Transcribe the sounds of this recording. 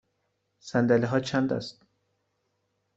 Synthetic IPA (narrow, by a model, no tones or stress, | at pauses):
sænd̪æliɦɒt͡ʃʰand̪a̰st̪̚